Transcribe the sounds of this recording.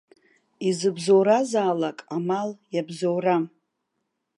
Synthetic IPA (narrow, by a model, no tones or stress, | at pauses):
izɨbzowɾazaːlakʼamaljabzowra